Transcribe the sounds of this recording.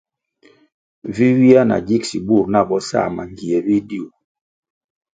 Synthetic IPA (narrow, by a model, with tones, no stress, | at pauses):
vi˦wi˦a˦na̰˨d͡ʒi˦ksi˨bu˦˨ɾna˦˨bɔ˦sa̰˦˨ma˨ŋɡi˨ɛ˨vi˦di˦o˨